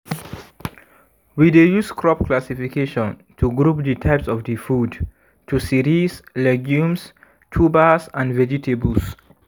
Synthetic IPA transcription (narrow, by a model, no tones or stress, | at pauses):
widejuskʰɹɔpklasifikeʃɔ̃n | tʰuɡɾup̚ditʰaɪpsɔfdifud | tʰusiɾislɛɡjũms | tʰubasãnvɛd͡ʒitʰebuls